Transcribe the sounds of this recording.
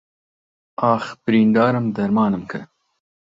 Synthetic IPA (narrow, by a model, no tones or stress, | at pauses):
ɑːxbɾind̪ɑːɾamd̪ɐɾmɑːnəmkʰə̰